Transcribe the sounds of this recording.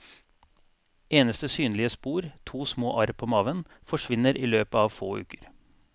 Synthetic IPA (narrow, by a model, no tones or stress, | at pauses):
eːnəst̪əsyːnlɪəspuːɾt̪ʰuːsmoːʔɑɾpʰoːmɑːʋən | fɔʂʋɪnəɾʔiːløːpəɑːʋfoːʉ̰ːkə̥ɾ